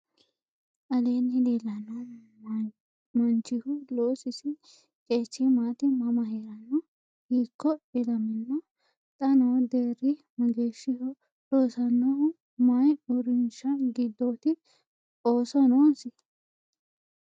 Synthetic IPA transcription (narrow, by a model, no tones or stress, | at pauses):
ʔɐleːnːɪd̪eːlːɐnɔ | mɐnt͡ʃːɪhʊloːsɪsɪ | kʼeːt͡ʃːɪmaːt̪ɪmɐmɐheːɾɐnːɔ | hiːkːɔɪlɐmɪnːɔ | t̪ʼɐnoːd̪eːɾɪmɐɡeːʃːɪhʊ | loːsɐnːɔʊ | mɐjʊɾɪnʃɐɡɪd̪ːoːt̪ɪ | oːsɔnoːsɪ